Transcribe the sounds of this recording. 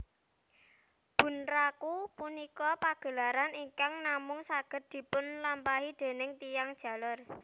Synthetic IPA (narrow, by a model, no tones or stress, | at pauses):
b̥ṳnrakupunikɔpaɡ̥ə̤laɾaniŋkaŋnamʊŋsaɡ̥ə̤t̪̚d̪̥i̤pʊnlampaɦid̪̥e̤nɪŋt̪ijaŋd̥ʒ̥ä̤lɔr